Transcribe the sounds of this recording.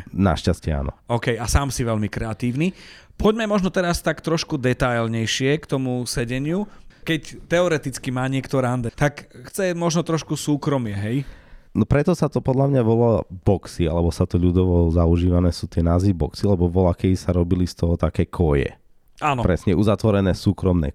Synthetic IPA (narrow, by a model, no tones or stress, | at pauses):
na̰ʃcascɛa̰ːnɔ̰ɔkɛjasaːmsiʋɛʎmikɾɛat̪iːʊnipʰɔɟmɛmɔʒnɔt̪ɛɾast̪akt̪ɾɔʃkud̪ɛt̪ajlɲɛjʃɪɛkt̪ɔmusɛɟɛɲɪukɛct̪ɛɔɾɛt̪it͡skimaːɲɪɛkt̪ɔɾand̪at̪akxt͡sɛmɔʒnɔt̪ɾɔʃkusuːkɾɔmɪɛɦɛjnɔpɾɛt̪ɔsat̪ɔpɔd̪ʎamɲaʋɔlabɔksia̰lɛbɔsat̪ɔʎud̪ɔʋɔzauʒiːʋanɛːsuːt̪ɪɛnaːzʋibɔksialɛbɔʋɔlakɛisaɾɔbilist̪ɔɦɔt̪akɛːkʰɔjɛ̰ | aːnɔpɾɛsɲɛuzat̪ʋɔɾɛnɛsuːkɾɔmnɛ̰